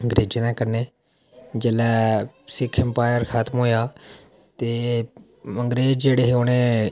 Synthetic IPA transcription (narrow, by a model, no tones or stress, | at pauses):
əŋɡɾeːd͡ʒinãːkəɾneː | d͡ʒəlɛːsɪkʰɪmpaːɪjəɾxʰaːt̪mɦoːjaː | t̪eː | əŋɡɾeːd͡ʒd͡ʒeːɽeːɦeoːnẽː